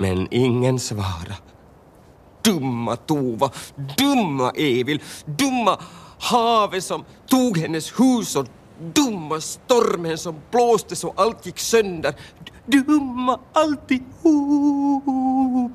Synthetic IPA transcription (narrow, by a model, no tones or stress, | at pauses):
mɛ̰nɪŋːənsvɑ̰ːɾa | d̪̥ɵmːat̪uːvad̪ɵmːa̰ʔeːvɪld̪ɵmːahɑːvəsɔm | t̪uːɡhɛnːəshʉːsɔ | d̪ɵmːast̪ɔɾmənsɔmb̥loːst̪əsɔʔalt̪jɪkːsœnd̪əɾ | d̪ɵmːaalt̪ɪhuː | p